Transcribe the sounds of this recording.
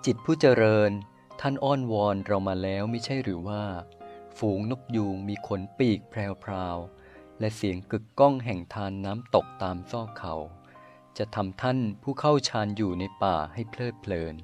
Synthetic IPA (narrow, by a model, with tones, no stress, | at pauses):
t͡ɕi˨˩t̪̚pʰuː˥˩t͡ɕa˧ɾɤː˧n | t̪ʰa˥˩nʔɔː˥˩nwɔː˧nɾa˧wmaː˧lɛː˦˥wma˥˩jt͡ɕʰa˥˩jɾɯː˩˦waː˥˩fuː˩˦ŋno˦˥k̚juː˧ŋmiː˧kʰo˩˦npiː˨˩k̚pʰɾɛː˧wpʰɾaː˧w | lɛ˦˥si˨˩˦əŋkɯ˨˩kːɔ˥˩ŋɦɛ˨˩ŋt̪ʰaː˧nːaː˦˥mt̪o˨˩k̚t̪aː˧msɔː˥˩kʰa˩˦w | t͡ɕa˨˩t̪ʰa˧mt̪ʰa˥˩npʰuː˥˩kʰa˥˩wt͡ɕʰaː˧njuː˨˩na˧jpaː˨˩ha˥˩jpʰlɤː˥˩t̪̚pʰlɤː˧n